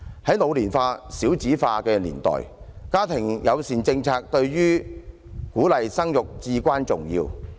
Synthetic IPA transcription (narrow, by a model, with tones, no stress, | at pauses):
hɐ˨˥jlo˨˧wliː˨˩nfaː˧siː˨˥wt͡siː˨˥faː˧kɛː˧lḭː˨˩nt̪ɔ̰ː˨˩jkaː˥t̪ʰɪ˨˩ŋjɐ˨˧wsiː˨˩nt͡sɪ˧ŋt͡sʰaː˧k̚t̪ɵ˧ɥjyː˥ | kuː˨˥lɐ˨jsɐ˥ŋjʊ˨k̚t͡siː˧kʷaː˥nt͡sʊ˨ŋjḭː˧w